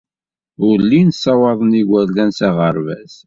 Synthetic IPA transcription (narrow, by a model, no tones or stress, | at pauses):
ʊlːinsːɑwɑðˤəniɡʷælːænsæʁəɾvæs